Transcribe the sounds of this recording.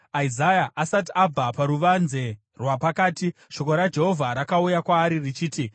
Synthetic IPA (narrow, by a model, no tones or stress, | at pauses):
aizajaʔasatiʔab͡vapaɾuʋanze̞ | rwapakaːtiʃo̞ko̞ɾad͡ʒe̞ɦo̞vʱaɾakaujakwaːɾirit͡ʃiːti